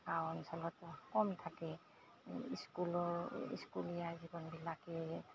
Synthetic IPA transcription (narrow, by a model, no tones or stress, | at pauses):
kawɔnsɔlɔtkɔmt̪ʰaki | iskulɔɹḭskulijazibɔnbilaki